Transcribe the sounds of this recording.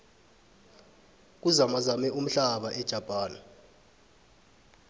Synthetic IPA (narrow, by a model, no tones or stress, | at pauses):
k̬uzamazamɛʔum̩ɬaɓaʔɛd̥ʒ̥ʱapʼaːna